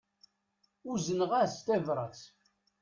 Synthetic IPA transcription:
uzənʁæst̪ævɾˤəθ

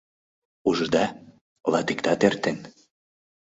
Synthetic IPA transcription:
uʒd̪ɑ | lɑt̪ikt̪ɑt̪ert̪en

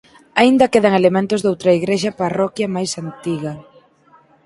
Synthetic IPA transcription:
aind̪ɐkeðɐŋelemẽnt̪ʊzðowt̪ɾɐiɣɾeʃɐparɔkjɐmajsant̪iɣɐ

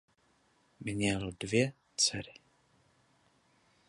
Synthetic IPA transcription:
mɲɛldvjɛ | t͡sɛɾɪ

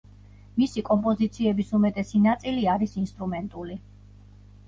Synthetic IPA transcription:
misikʼɔmpʼɔzit̪sʰiɛbisumɛt̪ʼɛsinat̪sʼiliaɾisinst̪ʼɾumɛnt̪ʼuli

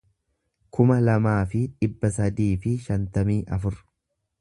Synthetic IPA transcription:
kʰʊmɐlɐmaːfɪᶑɪbːɐsɐd̪iːfɪʃɐnt̪ɐmiːʔɐfʊɾ

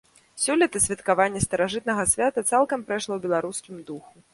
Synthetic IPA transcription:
sʲulʲɛt̪ɐsʲvʲɛt̪kavanʲːɐst̪ɐɾaʐɨt̪̚nɐɣɐsʲvʲat̪ɐt̪salˠkɐmpɾaʂlˠɔwbʲɛlˠaɾuskʲimd̪uxu

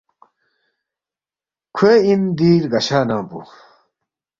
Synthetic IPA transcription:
kʰueind̪iːɾɡɐɕaːnãːpṵ

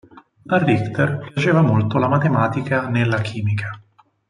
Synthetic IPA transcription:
arːikt̪erpjat͡ʃeːvamolt̪olamat̪emaːt̪ikanelːak̟ʰiːmikʰa

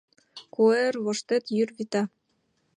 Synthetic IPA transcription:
kuerβoʃt̪et̪jyrβit̪ɑ

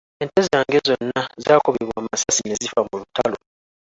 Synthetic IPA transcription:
e̞nte̞zaːŋɡe̞zo̞nːazaːkoβeβwaːmasasine̞zifamulutalo̞

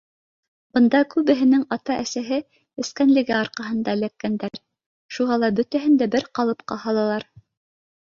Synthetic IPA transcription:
bɤ̆nd̪ɑkʉβɘ̆ɦɘ̆nɘŋɑt̪ɑʔæsæɦɘ | ɘ̆skænlɘ̆ɡæɑɾqɑɦɤ̆nd̪ɑɘ̆lækːænd̪æɾ | ʃuʁɑlˠɑbɵt̪æɦɘ̆nd̪æbɘɾqɑlˠɤpqɑhɑlˠɑlˠɑɾ

